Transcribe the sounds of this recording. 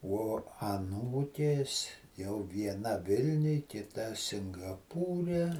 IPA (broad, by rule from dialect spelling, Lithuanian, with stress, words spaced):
uɔ ɐˈnuːkʲeːs jɛʊ ʋʲiɛˈnɐ ˈʋʲɪlʲnʲʊj kʲɪtɐ sʲɪŋɡɐˈpuːrʲɛ